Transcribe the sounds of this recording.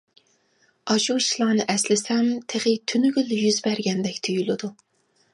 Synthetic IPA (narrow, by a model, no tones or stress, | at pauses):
ɑʃut͡ʃʰilˠɑːnɨʔɛslɪsɛmt̪ʰeʁit̪ʰynyɡʲyljyzbæɾɡʲɛnd̪ɛkʲt̪ʰyjylˠɪd̪u